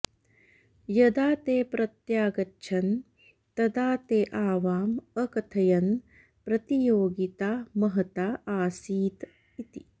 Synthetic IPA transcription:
jɐd̪aːt̪eːpɾɐt̪jaːɡɐtːt͡ʃʰɐn | t̪ɐd̪aːt̪eːʔaːʋaːmɐkɐt̪ʰɐjɐn | pɾɐt̪ijoːɡit̪aːmɐɦɐt̪aːaːsiːt̪ | it̪i

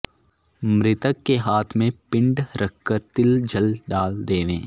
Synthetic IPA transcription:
mɾɪt̪əkːeɦaːt̪ʰmẽpɪ̃ɳɖɾɐkːəɾt̪ɪld͡ʒəlɖaːld̪eːʋḛ̃ː

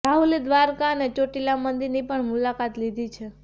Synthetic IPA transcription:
ɾaɦuled̪ʋaɾkanet͡ʃoʈilamənd̪iɾnipəɳmulakat̪lid̪ʱit͡ʃʰe

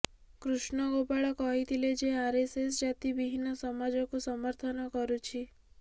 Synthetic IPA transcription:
kɾuʃɳɔɡopaɭɔkɔɦit̪ʰiled͡ʒeaɾesesd͡ʒat̪ibiɦinɔsɔmad͡ʒɔkusɔmɔɾt̪ʰɔnɔkɔɾut͡ʃʰi

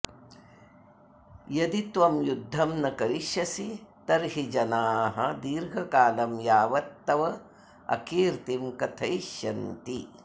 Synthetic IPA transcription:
jɐd̪it̪ʋɐmjud̪ʱːɐmnɐkɐɾiʃjɐsit̪ɐɾɦid͡ʒɐnaːɦɐd̪iːɾɡʱɐkaːlɐmjaːʋɐt̪ːɐʋɐ | ɐ̰kiːɾt̪imkɐt̪ʰɐjʃjɐnt̪i

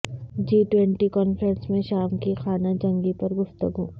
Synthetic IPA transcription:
d͡ʒiːʈwɛ̃ɳʈikɔːnfɾə̃nsmẽʃaːmkixaːnad͡ʒɐ̃ŋɡipɐɾɡʊft̪əɡuː

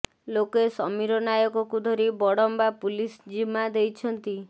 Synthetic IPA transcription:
lokesɔmiɾɔnajɔkɔkud̪ʱɔɾibɔɽɔmbapulisd͡ʒimad̪ejt͡ʃʰɔnt̪i

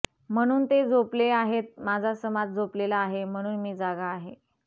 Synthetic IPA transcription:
m̤əɽ̃uːnt̪ed͡zopleaɦet̪̚mad͡zʱasəmat̪̚d͡zoplelaːɦem̤əɽ̃uːnmiːd͡zaɡaːɦe

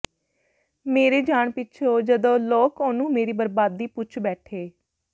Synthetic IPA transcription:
meːɾeːd͡ʒaːɳpɪʃʰoːd͡ʒəd̪õːloːkoːnũːmeːɾiːbəɾbaːd̪ːiːpʊt͡ʃʰbɛːʈʰeː

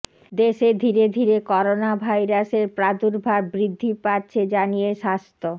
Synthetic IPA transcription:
d̪eʃed̪ʱiɾed̪ʱiɾekɔɾonabʱajɾaseɾpɾad̪uɾbʱaɾbɾid̪ʱːipaɾt͡ɕʰed͡ʑanijeʃast̪ʰo

